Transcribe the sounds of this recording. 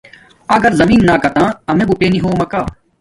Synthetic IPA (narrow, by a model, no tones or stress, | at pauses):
ɐɡəɾzɐmiːnːaːkɐt̪ãːɐmẽːbʊpeːniɦõːmɐkaː